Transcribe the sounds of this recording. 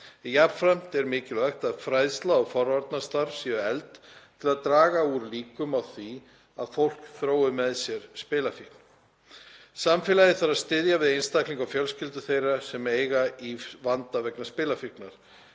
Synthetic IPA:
japfɾɛm̥t̪ɛɾmɪːcɪlœxt̪aðfɾajðst̪laɔfɔɾvaɾt̪nast̪aɾ̥siʏɛlt̪t̪ʰɪlaðt̪ɾaːɣauɾliːkʏmawθi | aðfowl̥kθɾoːwʏmɛðsjɛɾ̥spɪːlafihkn̥ | samfɪːlaðɪθaɾaðst̪ɪðjavɪðejnst̪akliŋkawfjœlscɪlt̪ʏθejrasɛmeːjɣaivant̪avɛknaspɪːlafiknaɾ̥

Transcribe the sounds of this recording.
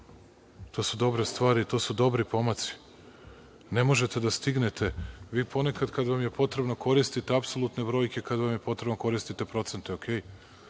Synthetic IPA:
t̪o̞ːsud̪o̞bɾest̪ʋaːɾit̪o̞ːsud̪o̞bɾipo̞mat̪si̥ | ne̞mo̞ʒe̞t̪e̞d̪ast̪iɡne̞t̪ʰe̞ʋiːpo̞ne̞kad̪kad̪ʋamje̞po̞t̪ɾe̞bno̞kʰo̞ɾist̪it̪eapsolˠut̪ne̞bɾo̞ːjkʲe̞kad̪ʋamje̞po̞t̪ɾebnoko̞ɾist̪it̪e̞pɾo̞t̪se̞nt̪eokʰʲeːj

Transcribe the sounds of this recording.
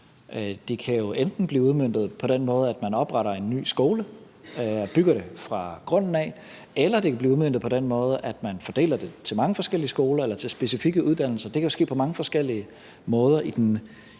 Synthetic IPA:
ʔd̥e̝kʰæjo̝ʔend̥n̩b̥liːuð̞ˠmen̰d̥ð̞̩ˠpʰɒ̽d̥enmɔ̽ːð̞̩ˠæd̥mænɒ̽b̥ʁɑ̈ɾɐe̝nːy̰ːsɡ̥o̝ːlə | ɒb̥yɡ̥ɐɾ̥e̝fʁɑ̈ɡ̥ʁɔ̽n̰n̩ɛ | elɐd̥e̝kʰæbliːuðˠmend̥ð̩ˠpʰɒ̽d̥enmɔ̽ːð̞̩ˠəʔæd̥mænfɒ̽d̥e̝̰ːlɐd̥e̝t͡sʰe̝lmɑ̈ŋəfɒ̽sɡ̥el̰iəsɡ̥o̝ːlɐelɐt͡sʰe̝lsb̥e̝sifiɡ̥əuð̞ˠd̥æn̰l̩sɐd̥e̝kʰæjo̝sɡ̥e̝̰ːpʰɒ̽mɑ̈ŋəfɒ̽sɡ̥el̰iə | mɔ̽ːð̞ˠɐʔid̥en

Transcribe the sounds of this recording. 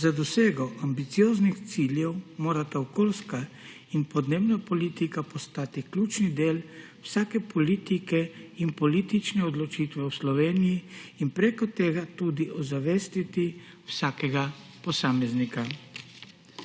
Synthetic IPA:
zad̪ɔseːɡɔʔambit̪sijoːznixt̪siːljɛwmoːɾat̪aɔkoːlska | inpɔd̪neːbnapɔliːt̪ikapɔst̪aːt̪iklʲuːt͡ʃnid̪eːl | wsaːkɛpʰɔliːt̪ikɛinpɔliːt̪it͡ʃnɛɔd̪lɔt͡ʃiːt̪ʋɛwslɔʋeːnijiːnpɾekɔt̪eːɡat̪ud̪iʔɔzaʋeːst̪it̪i | wsaːkɛɡapɔsaːmɛznika

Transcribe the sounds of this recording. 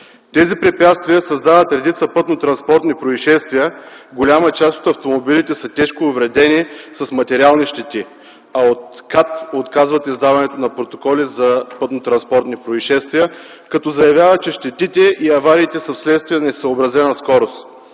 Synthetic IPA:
t̪ɛzipɾɛpʲjat̪st̪viəsɐzd̪avət̪ɾɛd̪it̪səpɤt̪not̪ɾɐnspɔɾt̪nʲipɾoiʃɛst̪viəɡolʲamət͡ʃast̪o̥t̪ɐft̪omobilit̪ɛsɐt̪ɛʃkoːvɾɛd̪ɛnisɐsmɐt̪ɛɾialˠniʃt̪ɛt̪i | ɐot̪kat̪ot̪kazvɐt̪izd̪avɐnɛt̪onɐpɾot̪okɔlizɐpɤt̪not̪ɾɐnspɔɾt̪nipɾoiʃɛst̪vijə | kɐt̪ɔzɐjɐvʲjavət͡ʃɛʃt̪ɛt̪it̪ɛʔiɐvaɾiːt̪ɛsəfslɛt̪st̪vijənɛsəobɾɐzɛnɐskɔɾost̪

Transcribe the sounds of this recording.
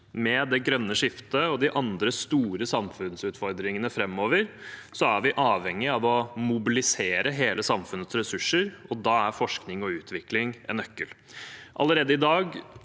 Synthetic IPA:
mɛd̪ɛɡɾœnːəʂɪft̪əɔd̪ɪʔɑnd̪ɾəst̪uːɾəsɑmfʉnsʉt̪fɔɾd̪ɾɪŋənəfɾɛmːoːʋəɾsɔæɾʋɪʔɑːʋhɛŋːɪɑʋɔmʊbɪlɪseːɾəɦeːləsɑmfʉnːət̪sɾɛsʉʂəɾɔd̪ɑːæɾfɔʂknɪŋɔʉːt̪ʰʋɪklɪŋʔɛ̰nœkːəl | ʔɑ̰ləɾeːd̪əɪd̪ɑːɡ

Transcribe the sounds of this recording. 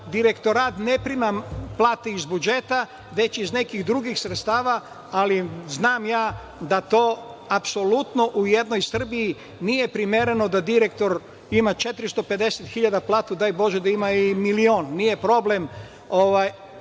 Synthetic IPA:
d̪iɾe̞kt̪o̞ɾaːt̪nepɾimaplˠaːt̪eizbud͡ʒe̞t̪a | ʋe̞t͡ɕizne̞kiɣd̪ɾuɡixsɾet̪st̪aːʋa | aliznaːmjaː | d̪at̪oːapso̞lut̪no̞ʔujed̪nojsr̩biji | nije̞pɾimjeɾe̞nod̪ad̪iɾek̚t̪o̞ɾ | imat͡ʃe̞t̪ɾist̪o̞pe̞d̪eset̪xiʎad̪aplˠaːt̪ud̪ajbo̞ʒed̪aimaimilioːnnijepɾo̞blem | oʋaj

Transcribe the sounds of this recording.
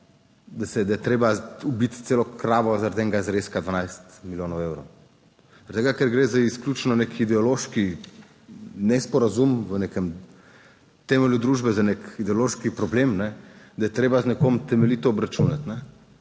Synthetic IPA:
d̪asɛd̪ajɛt̪ɾeːbaubit̪t̪seːlɔkɾaːʋɔzaɾad̪ɛːŋɡazɾeskad̪ʋanajst̪miljoːnɔwewɾow | zɐɾt̪eɡakɛɾɡɾeːzaiskljuːt͡ʃnɔnekid̪ɛɔloʃki | nɛspɔɾazumʋənekəm | t̪ɛmɛljud̪ɾuːʒbɛzanekid̪ɛɔloʃkipɾɔbleːmnɛd̪ɐjɛt̪ɾeːbaznɛkomt̪ɛmɛlit̪ɔɔbɾat͡ʃunat̪nɛ

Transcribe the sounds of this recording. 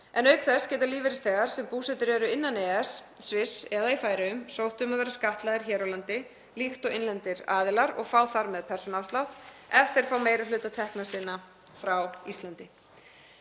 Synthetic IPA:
ɛnœɥkθɛscɛːt̪aliːvɪɾɪst̪ɛːɣaɾ̥sɛmpuːsɛt̪ʏɾɛːɾʏɪnːanɛːɛs | svɪsɛðaifaːjɾɪʏmsowht̪ʏmaðvɛːɾaskaht̪laðɪɾ̥çɛːɾawlant̪ɪ | lixt̪ɔɣɪnlɛnt̪ɪɾaːðɪlaɾɔ̰ɣfaːwθaɾmɛðpʰɛr̥sɔnawslawt̪ɛfθeɾ̥faːwmeːjɾalʏːt̪at̪ʰɛhknasɪːna | fɾawist̪lant̪ɪ

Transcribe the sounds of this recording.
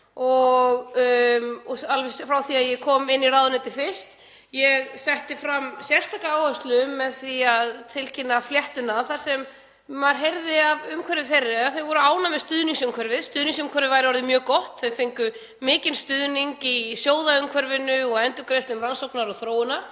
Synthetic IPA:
ɔɣ | ɔsalvɛsfɾawθiaðjɛkʰɔːmɪnːiraːðʏnɛt̪ɪfɪ̥st̪ | jɛɣsɛht̪ɪfɾamːsjɛr̥st̪ʰakaaːwhœst̪lʏmːɛðθviaðt̪ʰɪlcʰɪnːafljɛht̪ʏnaθaɾ̥sɛmː | aɾɦejɾðɪavʏmkʰɛɾvɪθejrːɪaθeɥvɔɾʏaːwnamɛðst̪ʏðniŋsʏmkʰvœɾvɪðst̪ʏðniŋsʏmkʰœɾvɪvaːjɾɪvɔɾðɪmjœːkɔht̪θeɥfɪŋkʏ | mɪːcɪnst̪ʏðniŋkisjoːwðaʏmkʰvœɾvɪnʏɔɣɛnt̪ʏkɾest̪ʏmɾransowknaɾɔɣθɾoːwɪna

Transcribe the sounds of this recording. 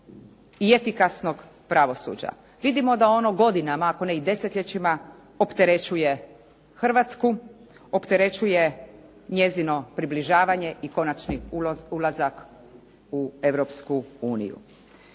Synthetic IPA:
ie̞fikasno̞ɡ | pɾaʋo̞sṵːd͡ʑa̰ | ʋid̪imo̞d̪ao̞no̞ɡo̞d̪inamaːko̞neid̪e̞set̪ʎʲet͡ɕima | opt̪e̞ɾe̞t͡ʃuje̞ | xr̩ʋat̪sku | opt̪e̞ɾe̞t͡ʃuje̞ | ɲe̞zino̞pɾibliʒaːʋaɲe̞ʔiko̞nat͡ʃniulˠazak | ue̞ʋɾopskuuːnḭjṵ

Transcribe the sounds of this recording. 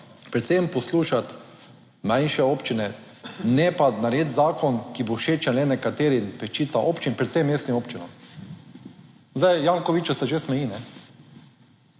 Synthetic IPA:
pɾɛt̪sempɔsluːʃat̪ | mãjnʃɛoːpt͡ʃinɛ | nɛpanaɾeːt̪zaːkɔnkiboʃeːt͡ʃalɛnɛkat̪eːɾinpɛʃt͡ʃiːt̪saʔoːpt͡ʃinpɾɛt̪semːeːst̪imoːpt͡ʃinɔ̰m | zd̪ajjaŋkɔʋit͡ʃɔsɛʒesmɛjiːnɛ

